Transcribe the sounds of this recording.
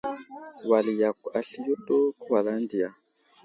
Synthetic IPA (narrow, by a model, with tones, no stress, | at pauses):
wa˨li˨ja˨ku˨a˨ɬi˨ju˦tʼo˦kwa˨la˦ndi˨a˨